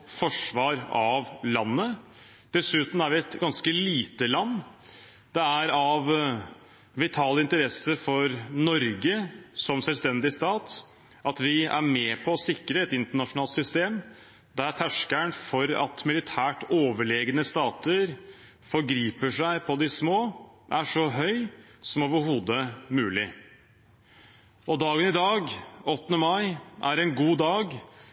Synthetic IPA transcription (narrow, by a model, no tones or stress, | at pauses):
fɔʂʋɑːɾɑʋlɑnːə | d̪̥ɛsʉːt̪n̩æɾʋɪɛt̪ɡɑnskəliːt̪əlɑnː | d̪̥ɛæɾɑʋ | ʋɪt̪ʰɑːləɪnt̪əɾɛsəfɔɾnɔɾɡəsɔmsɛlst̪ɛnd̪ɪst̪ɑːt̪ | ʔɑt̪ʋɪæ̰ɾmɛːpʰɔːsɪkɾəɛt̪ɪnt̪əɳɑʂʊnɑːlt̪sʏst̪eːm | d̪æɾt̪ʰæʂkæɳfɔɾɑ̰t̪mɪlɪt̪ʰæːʈoːʋəɭeːɡənəst̪ɑːt̪ʰəɾ | fɔɾɡɾiːpəʂæɪpʰɔd̪ɪsmoːʔæʂɔɦœʏsɔmoːʋəɾhuːd̪əmʉːlɪ | ɔd̪ɑːɡənɪd̪ɑːɡɔt̪ːənəmɑɪʔæɾɛnɡuːd̪ɑːɡ